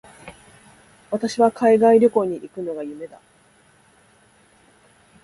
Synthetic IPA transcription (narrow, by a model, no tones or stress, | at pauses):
βat̪aɕiβakʰaiɡaiɾʲo̞ko̞ɲ̟iʔikɯ̟no̞ɡajɯ̟me̞d̪a